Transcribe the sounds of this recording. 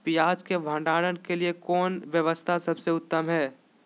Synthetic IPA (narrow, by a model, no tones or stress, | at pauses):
pijaːd͡ʒkebʱə̃ːɳɖaːɽənkeliekɔːnʋjəʋəst̪ʰasɐbseʊt̪ːəmɦɛː